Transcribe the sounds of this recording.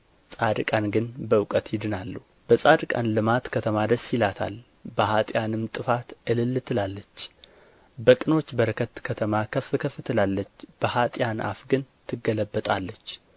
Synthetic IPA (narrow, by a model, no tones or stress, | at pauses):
sʼad̪ɨkʼanɡɨnbəwkʼət̪jɪd̪ɨnalːuh | b̥əsʼad̪ɨkʼa̰nlɨmat̪kʰət̪ʰəmad̪əsjɪlat̪ʰa̰l | bəhat̪ʼjanɨmt̪ʼɨfat̪ʔɨlɨlːt̪ʰɨlalːət͡ʃː | bəkʼɨno̞t͡ʃːbəɾəkʰət̪kʰət̪ʰəmakʰəfɨkʰəfɨt̪ʰɨlalːət͡ʃːb̥əhat̪ʼjanʔa̰fɡɨnt̪ʰɨɡələbːət̪ʼalːət͡ʃː